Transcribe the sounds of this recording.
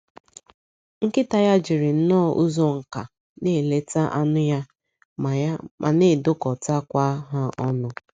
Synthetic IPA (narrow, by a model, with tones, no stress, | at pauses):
ŋ̩˦kɪ˦ta˨ja˦d͡ʒɪ˨ɾɪ˨n̩˦nɔː˦˨ʔu˦zo˦ŋ̩˨ka˨ | ne˦˨le˦ta˦ʔa˦nʊ˦ja˦ | m˨a˦mʔa̰˨ne˦˨dʊ˦kɔ˨ta˦kʷa˦ɦa˦ʔɔ˦nʊ˦